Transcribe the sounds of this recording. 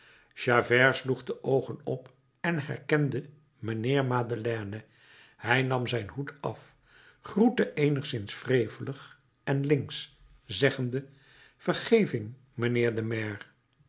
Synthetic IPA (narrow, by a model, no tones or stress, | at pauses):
ʒaːvɛɹsluχdəʔowχənɔp | ɛnɦɛ̰ɹkɛndə | mənɪːɹmaːdəlɛːnə | hɛjnɑmzɛjnɦutɑf | χrutəʔejnəχsɪnsfrejvələχ | ɛnlɪŋs | zɛχəndə | v̥əɹχejvɪŋ | mənɪːɹdəmɛɹ